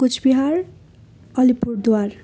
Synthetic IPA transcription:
kut͡sʰbiɦaɾ | ʌlipuɾd̪uar

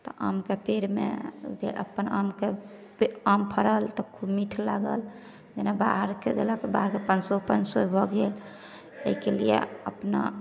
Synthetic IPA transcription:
t̪ɔʔamkepeɾmḛbʱelʔə̰pːənamke | ampʰəɾəlt̪ɔkʰubmiʈʰlaɡə̰l | d͡ʒenabaɦəɾked̪elakebaɦəɾkepənsɔpənsɔbʱɔɡel | ə̰ikelijḛəpna̰

